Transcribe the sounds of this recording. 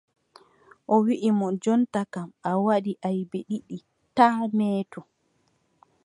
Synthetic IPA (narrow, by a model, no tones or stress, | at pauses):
ʔɔwiʔimɔd͡ʒɔntakamawaɗiʔajbeɗiɗi | taːmɛːtɔ